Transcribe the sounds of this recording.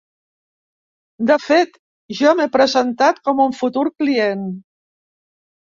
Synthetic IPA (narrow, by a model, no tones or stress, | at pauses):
d̪əfet̪ | ʒɔmepɾəzənt̪at̪kɔmuɱfut̪uɾklien